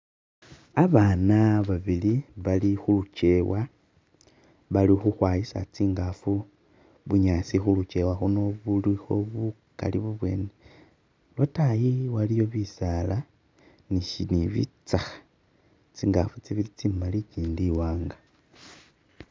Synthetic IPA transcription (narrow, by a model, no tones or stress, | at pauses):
aβanaβaβiliβalixulut͡ʃe̞wa | βalixuxwajisa̰t͡siːŋɡafu | βuɲasixulut͡ʃe̞waxuno̞βulixo̞βuka̰liβuβwe̞̰ːne | lwatajiwalijo̞βisala | niʃiniβḭt͡saxḁ | t͡siːŋɡafut͡siβilit͡simaliciːndiwaːŋɡa